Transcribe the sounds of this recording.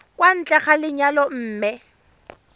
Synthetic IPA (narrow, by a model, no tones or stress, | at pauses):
kwan̩t͡ɬʼɛχalɪɲalɔm̩ːmɛ